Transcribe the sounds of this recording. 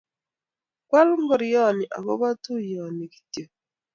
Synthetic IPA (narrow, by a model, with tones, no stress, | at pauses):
kwa˦lŋɡɔ˨ɾi˨jɔ˦˨ni˨ʔa̰˨βɔ̰˦βa˦tu˦jɔ˨ni˨ki̥˨tjo˨